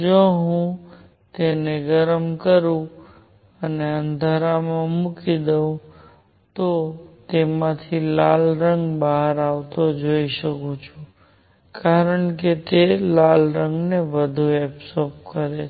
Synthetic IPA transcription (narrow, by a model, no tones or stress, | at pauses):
d͡ʒoɦũ | t̪eneɡəɾəmkəɾũ | əneənd̪ʱaɾamãmukid̪eũ | t̪ot̪emãt̪ʰilalɾəŋɡbaɦəɾaʋt̪od͡ʒoiʃəkũt͡ʃʰũ | kaɾəɳket̪elalɾə̃ŋɡneʋəd̪ʱuɛpsop̚kəɾe